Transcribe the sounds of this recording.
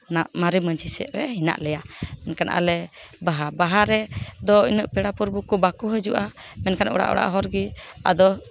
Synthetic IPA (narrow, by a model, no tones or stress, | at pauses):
naʔmaɾiməɲsisɛ̰ʔɾɛɦina̰ʔlɛjamɛnkanʔa̰lɛ | baɦabaɦaɾɛd̪ɔinəʔpɛɽapuɾbukɔbakuɦəd͡ʒuʔamɛnkanʔɔ̰ɽa̰ʔɔ̰ɽa̰ʔɦɔɾɡia̰d̪ɔ